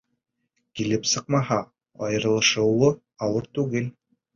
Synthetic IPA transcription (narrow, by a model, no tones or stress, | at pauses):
kilɘpsɤq̚mɑɦɑ | ɑjɤ̆ɾɤ̆lˠɤ̆ʃɤ̆wlːɤ | ɑwɤɾt̪ʉɡɘl